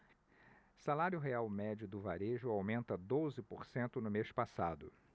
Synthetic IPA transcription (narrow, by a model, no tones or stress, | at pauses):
salaɾjʊɦeawmɛd͡ʒʊd̪ʊvaɾeʒʊawmẽnt̪ɐd̪ozɪpoɾsẽnt̪ʊnʊmeʃpasad̪ʊ